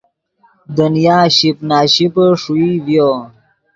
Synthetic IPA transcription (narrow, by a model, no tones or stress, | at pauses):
d̪ənjaːɕipnaːɕipəʂuivjo